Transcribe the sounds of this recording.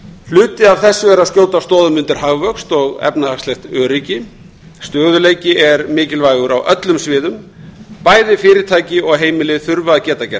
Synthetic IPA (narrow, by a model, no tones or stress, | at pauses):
l̥ʏːt̪ɪavθɛsːʏɛɾaðscoːw̪t̪ast̪ɔːðʏmʏnt̪ɪɾ̥ɦavvœkst̪ɔɣɛ̰pnahakst̪ɛxt̪œːɾicɪ | st̪œːɣðʏleːjcɪɛɾmɪːcɪlvajɣʏɾa̰wʔœt̪lʏmsvɪːðʏm | paːjðɪfɪːɾɪɾ̥t̪ʰaːjcɪɔɣɦeːjmɪlɪθʏɾvaðcɛːt̪acɛ